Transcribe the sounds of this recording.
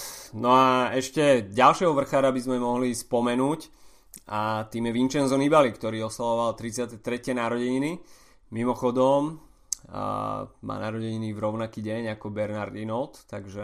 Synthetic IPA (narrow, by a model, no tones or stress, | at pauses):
nɔaɛʃcɛɟalʃɪɛɦɔʋr̩xaːɾabizmɛmɔɦlispɔmɛnuːc | at̪iːmjɛʋint͡ʃɛnzɔnibalikt̪ɔɾiːɔsalɔʋalt̪ɾit͡sɪat̪ɛt̪ɾɛcɛnaːɾɔɟɛɲini | mimɔxɔd̪ɔm | ma̰ːnaːɾɔɟɛɲinivɾɔʊnakiːɟɛɲakɔbɛɾnaɾd̪inɔlt̪ːaɡʒɛ